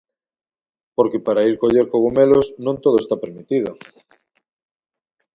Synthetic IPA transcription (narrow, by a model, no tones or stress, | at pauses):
poɾkepaɾaiɾkoʎeɾkoɣomelosnũŋt̪oðoest̪apeɾmit̪iðo